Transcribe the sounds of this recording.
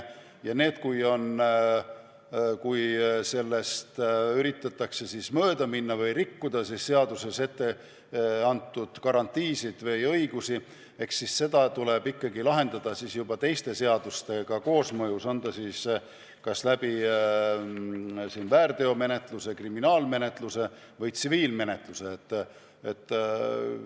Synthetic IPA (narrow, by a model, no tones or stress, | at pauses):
jɑne̞ːd̪̥kujo̞n | kujse̞lːe̞st̪yɾit̪ːˑɑt̪ːˑɑkse̞siːsmøːd̪ɑminːɑvɤjrikːud̪̥ɑsisse̞ɑd̪̥use̞se̞t̪ːe̞ | ɑnt̪ˑːud̪̥kɑɾɑnt̪ːˑiːsid̪̥vɤjɤ̞jɡ̥usi | e̞ksːisse̞d̪̥ɑt̪ule̞b̥ikːɑɡilɑɦe̞nd̪̥ɑd̪̥ɑsisjub̥ɑt̪e̞jst̪e̞se̞ɑd̪̥ust̪e̞ɡ̥ɑko̞ːsmɤjuso̞nd̪ɑsis | kɑslæb̥i | siːnvæːrd̪e̞o̞me̞ne̞t̪ˑluse̞kriminɑːlme̞ne̞t̪luse̞ | vɤjt̪siviːlme̞ne̞t̪ˑluse̞ːt̪ːˑ | et̪ːˑ